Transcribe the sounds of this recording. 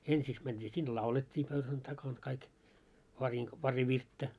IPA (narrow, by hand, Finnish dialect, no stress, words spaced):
ensiks mænd̥iː sin lɑuletʲːiː pøyhæn tɑkɑŋ kɑik pɑriŋk pɑri ʋirtːæ